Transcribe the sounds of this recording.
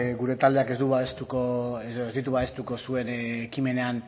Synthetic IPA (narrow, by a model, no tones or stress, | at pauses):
ɣuɾe̞t̪ald̪e̞ake̞zd̪uβaest̪ukoeezd̪it̪̬uβaest̪uko̞sue̞nekime̞ne̞an